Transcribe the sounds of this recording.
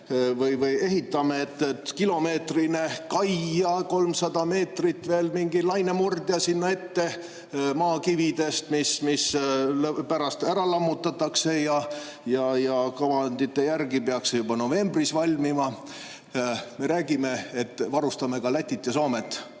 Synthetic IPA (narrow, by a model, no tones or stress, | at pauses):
vɯjvɯje̞ɦit̪ːˑɑmeet̪ːˑet̪kilo̞me̞ːt̪rinekɑjɑko̞lmsɑd̪̥ɑme̞ːt̪rit̪ːve̞ːlmiŋɡilɑjnemurd̪jɑsinːɑe̞t̪ːe̞ | mɑːkivid̪e̞st̪mismislpæɾɑst̪æɾɑlɑmːut̪ːˑɑt̪ːˑɑkse̞jɑ | jɑjɑkɑvɑnd̪it̪ːe̞jærɡipeɑksejubɑno̞ve̞mbrisvɑlʲmimɑ | me̞ɾæːɡime̞et̪ːvɑɾust̪ɑme̞kɑlæt̪ʲːˑit̪ːˑesoːmet̪ːˑ